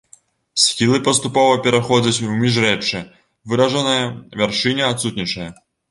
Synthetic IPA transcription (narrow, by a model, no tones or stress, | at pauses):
sʲxʲilˠɨpɐst̪upɔvɐpʲɛɾɐxɔd͡zʲɐt͡sʲwmʲiʐɾɛt͡ʂɛ | vɨɾɐʐɐnɐjɐvʲɛrʂɨnʲɐat̪sut̪ʲnʲit͡ʂɐjɐ